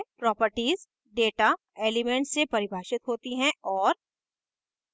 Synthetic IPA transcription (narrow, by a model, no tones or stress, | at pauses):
pɾɔːpəɾʈiːz | ɖeːʈa | eːlɪmẽɳʈsepɐɾɪbʱaːʃɪt̪ɦoːt̪iɦɛ̃ɔːɾ